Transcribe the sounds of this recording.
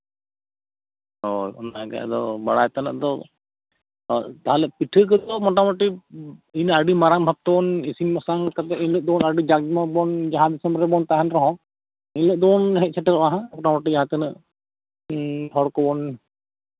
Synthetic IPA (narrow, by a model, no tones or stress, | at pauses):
ojɔ̰naɡa̰d̪ɔbaɽajt̪anə̰ʔd̪ɔ | t̪aɦalɛpiʈʰək̬əd̪ɔmɔʈamɔʈiinaɖimaɾaŋbʱab̚t̪ɔɔnisiŋmɔsaŋkat̪ɛʔinləʔ̚d̪ɔnaɖid͡ʒaɡmɔbɔnd͡ʒaɦãd̪isɛmbɾɛbɔnt̪aɦanɾɔɦɔ̃ | ɛnləʔ̚d̪ɔnɦɛt̚t͡ʃʰɛʈiɾɔʔaɦãmɔʈamɔʈid͡ʒaɦãt̪ənəʔ | pʰɔɽkɔbɔn